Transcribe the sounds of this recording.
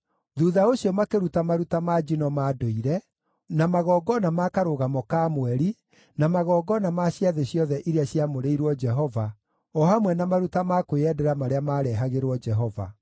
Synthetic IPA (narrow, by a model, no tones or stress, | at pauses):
ðuðaoɕjɔmakeɾutamaɾutamad͡ʒinɔmaːdoiɾɛ | namaɣɔːɡɔnamakaɾoɣamɔkamwɛɾi | namaɣɔːɡɔnamaɕjaðeɕjɔðɛʔiɾeaɕjamoɾeiɾwɔd͡ʒɛɦɔva | ɔhamwɛnamaɾutamakojɛdɛɾamaɾeamaːɾɛɦaɣeɾwɔd͡ʒɛɦɔva̰